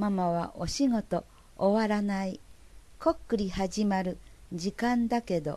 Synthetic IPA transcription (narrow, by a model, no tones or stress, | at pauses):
mamaβa̰ʔo̞ɕiŋo̞t̪o̞ː | βaɾanai | ko̞kːɯɾʲihaʑimaɾɯ̟d͡ʑikãnd̪ake̞d̪o̞̰